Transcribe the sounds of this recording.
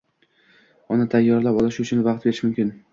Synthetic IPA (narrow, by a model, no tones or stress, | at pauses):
ɒnat̪ʰajːɒɾlapɒlˠɪʃʊt͡ʃʰʊnvaqt̪̚beɾɪʃmʊmkʲɪn